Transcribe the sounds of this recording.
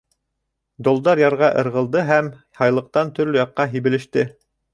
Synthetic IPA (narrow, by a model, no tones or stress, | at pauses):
d̪ŏlˠd̪ɑɾjɑɾʁɑʔɤ̆ɾʁɤ̆lˠd̪ɤɦæm | hɑjlˠɤ̆q̚t̪ɑnt̪ɵ̆ɾlɵjɑqːɑɦiβɘ̆lɘ̆ʃt̪ɘ